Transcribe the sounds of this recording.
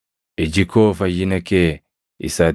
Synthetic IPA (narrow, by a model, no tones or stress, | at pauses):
ʔɪd͡ʒɪkoːfɐjːɪnɐkeː | ɪ̰saː